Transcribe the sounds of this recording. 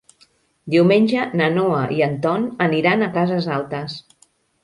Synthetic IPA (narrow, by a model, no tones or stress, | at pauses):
d̪iwmenʲʒənənoəʔiənt̪ɔnəniɾanəkazəzalˠt̪əs